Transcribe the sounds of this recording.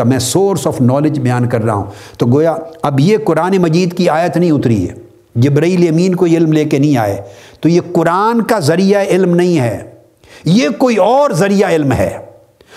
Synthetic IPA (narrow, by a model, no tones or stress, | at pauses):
amɛ̃ːsoːɾsɔːfnɔːled͡ʒbɐjaːnkɐɾːaɦa̰ɦṵ̃ː | t̪oɡoːjaːɐbjekʊɾaːnemɐd͡ʒiːd̪kiaːjət̪nɐɦĩʊt̪ɾḭɦɛ̰ː | d͡ʒɪbɾaiːlɐmiːnkoiɪlmleːkenɐɦĩaːḛːt̪ojekʊɾaːnkazɐɾijaɪlmnɐɦĩɦɛː | jekoːiɔːɾzɐɾijaɪlmɦɛ̰ː